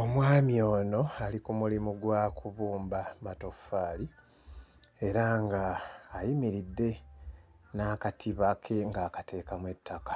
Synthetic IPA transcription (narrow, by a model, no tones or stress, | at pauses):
o̞mwaːmjo̞ːno̞alikumulimuɡwaːkuβuːmbamato̞faːli | e̞ɾaŋɡaːjimiɾidːe̞ | naːkatʰiβakʰe̞ŋɡaːkate̞ːkamwe̞tːakḁ